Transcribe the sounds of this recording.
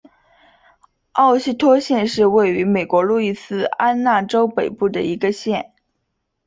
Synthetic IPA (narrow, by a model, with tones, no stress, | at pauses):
ɑ˥˩˧ʊɕi˥˧t̪ʰwɔ˥ɕjɛ˥˧nʂɻ̩˥˧we˥˩ɪy˧˥me˨˩ɪkwɔ˧˥lu˥˧i˥˩sɹ̩˥˩a˥nna˥˩ʈ͡ʂo˥ʊpe˨˩ɪpu˥˩d̪ə̰˩i˧˥ɡə˧ɕjɛ˥˩n